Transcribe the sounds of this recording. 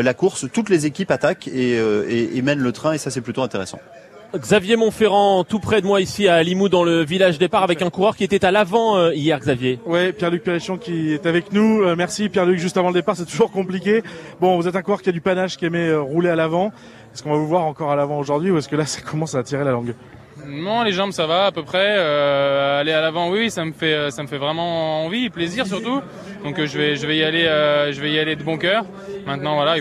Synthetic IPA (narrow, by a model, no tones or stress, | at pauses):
lakuʁst̪ut̪lezekʲipat̪akeøeemɛnlət̪χɛ̃esasɛplyt̪oɛ̃t̪eʁesɑ̰̃ | ɡzavjemɔ̃feʁɑ̃t̪upχɛd̪əmwaisialimud̪ɑ̃ləvilaʒd̪epaʁavɛkɛ̃kuʁœʁkʲiet̪ɛt̪alavɑ̃øijɛʁɡzavjewɛpjɛʁlyk̚peʁiʃɔ̃kʲiɛt̪avɛknuømɛʁsipjɛʁlykʒyst̪avɑ̃ləd̪epaʁsɛt̪uʒuʁkɔ̃plik̬ʲebɔ̃vuzɛt̪ɛ̃kwɔʁkʲiad̪ypanaʒkʲiɛmɛøʁulealavɑ̃ | ɛskɔ̃vavuvwaʁɑ̃kɔʁalavɑ̃oʒuʁd̪ɥiuɛskəlasḁkʰɔmɑ̃saːt̪iʁelalɑ̃ɡ | nɔ̃leʒɑ̃bsavaːpøpχɛøalealavɑ̃wisaməfɛøsaməfɛvʁɛmɑ̃ɑ̃vipleziʁs̬yʁt̪u | d̪ɔ̃kʒəvɛʒəvɛialeøʒəvɛialed̪əbɔ̃kʲœːʁ | mɛ̃t̪nɑ̃vwala